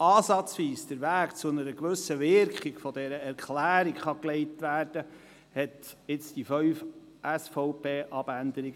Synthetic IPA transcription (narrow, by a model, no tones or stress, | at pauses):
ɑːsɑt͡sʋiːsd̥əɾʋæːkt͡sʊnəɾəkʋɵsəʋɪɾkχiɡfɔd̪ɛɾəɛɾkχlæːɾikχɑkleɪtʋæːɾd̥ə | hɛt̪ɪt͡sd̥ifœɥf | ʔæsfɔʊpʰeːʔɑb̥ændəɾiɡ